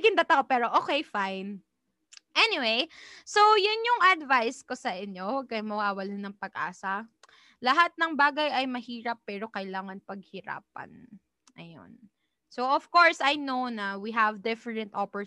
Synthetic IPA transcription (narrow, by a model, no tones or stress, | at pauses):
ɡɪnd̪at̪ɐkopɛːɾo̞ʔoːkejfajn | ʔɛnɪwejso̞jʊnjʊŋʔɐd̪vajskosɐʔɪɲːo̞wɐɡ̚kɐjmɐwaːwɐlhonɐŋpɐɡʔa̰ːsɐ | lɐɦat̪̚nɐŋbaːɡɐjʔɐjmɐhiːɾɐpːɛːɾo̞kɐjlaːŋɐnpɐɡ̚hɪɾa̰ːp̚ɐ̰n | ʔɐ̰jo̰n | soʔɔv̥koɹsɐjnownɐwiɦɐvd̪ɪfɛɹɛ̃nt̪ʔopɛ